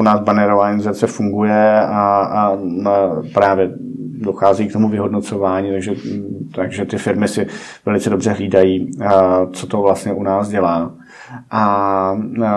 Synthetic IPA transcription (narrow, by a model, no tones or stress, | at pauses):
unaːzbanɛɾovaːɲizat͡sɛfuŋɡujɛa | pɾaːvjɛdo̞xaːziːkt̪o̞muvɪɦo̞dno̞t͡so̞vaːɲiːt̪aɡʒɛt̪aɡʒɛt̪ɪfɪɾmɪsɪ | vɛlɪt͡sɛdo̞br̝ɛɦliːdajiː | t͡so̞t̪o̞vlast̪ɲɛʔunaːsɟɛlaː | ʔa